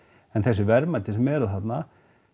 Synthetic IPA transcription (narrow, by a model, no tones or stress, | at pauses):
ɛnθɛsːɪvɛɾmat̪ʰɪsɛmɛɾaðɦat̪na